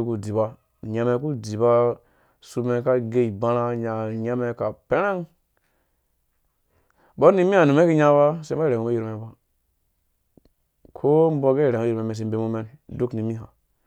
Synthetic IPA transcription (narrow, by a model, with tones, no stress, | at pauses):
ku˨di˨ba˦˨ | ɲa˨me˨k̬u˦di˨ba˦ | su˧me˨˦ka˦ɡe˦i˨ba˦ɾa˦ɲa˨ɲa˦me˦ka˨pe˦ɾe˦ŋ | bo˦ni˦mi˦a˨nu˨me˦ki˦ɲa˦ba˦se˦ma˦˨ɾe˨mu˨˦u˦ji˦ɾme˨ba˦ | kʰo˦m˦bo˦ɡe˦˨ɾe˨mo˦ji˦me˨me˨s̬e˨m˦be˦mu˦me˦ndu˦kni˨mi˦ɦa̰˨